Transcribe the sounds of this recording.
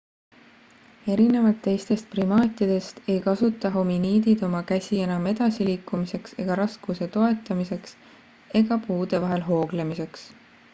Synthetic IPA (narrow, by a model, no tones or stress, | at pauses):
e̞ɾine̞vɑlt̪ːe̞jst̪e̞st̪̚primɑːt̪ʲˑid̪̥e̞st̪e̞jkɑsut̪ːˑɑɦo̞miniːd̪id̪̥o̞mɑkæsʲie̞nɑme̞d̪̥ɑsiliːkːˑumise̞kse̞̰ɡ̥ɑɾɑskuse̞t̪o̞e̞t̪ːˑɑmise̞ks | e̞ɡ̥ɑpuːd̪̥e̞vɑɦe̞lɦo̞ːɡ̥le̞mise̞ks